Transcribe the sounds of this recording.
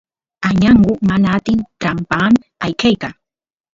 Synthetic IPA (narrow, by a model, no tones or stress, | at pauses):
aɲaɴɢʊmanaːt̪ɪnʈ͡ʂampam | ajkajka